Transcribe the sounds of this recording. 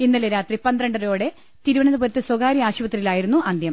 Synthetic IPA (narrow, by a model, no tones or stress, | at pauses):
inːɐleɾaːt̪ripɐnd̪ɾɐɳɖɐɾo̞ːɽe̞ | t̪iɾuʋɐɳɐðɐbɐɾɐt̪ːɨswɐɡaːɾiaːɕubɐt̪ːrɐilaːjiɾunːuʔɐnd̪jɐm